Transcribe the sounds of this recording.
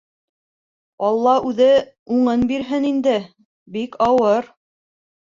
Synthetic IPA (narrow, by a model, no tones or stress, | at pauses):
ɑlˠːɑʉðɘ | uɴɤnbiɾɦɘnind̪ɘ | bikʰɑwɤɾ